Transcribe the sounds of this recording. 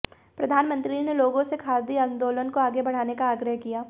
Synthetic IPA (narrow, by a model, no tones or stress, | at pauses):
pɾɐd̪ʱaːnmə̃nt̪ɾineloːɡõsekʰaːd̪iãnd̪oːlənkoaːɡebɐɽ̤aːnekaːɡɾəɦkijaː